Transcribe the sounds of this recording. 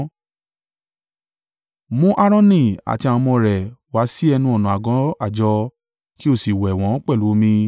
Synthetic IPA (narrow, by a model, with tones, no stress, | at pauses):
mũ˦ʔa˦ɾ̃ɔ̃˦nĩ˦˨a̰˨ti˧ã˧mɔ̃˧ɾɛ˨wa˨˦si˦ɛ˧nũ˧ɔ˨nũ˨a˨ɡɔ̃˨˦a˦˨d͡ʒɔ˧ | ki˦o˦˨si˨wɛ˨w̃ɔ̃˨˦k͡pɛ˦˨lu˨˦mĩ˧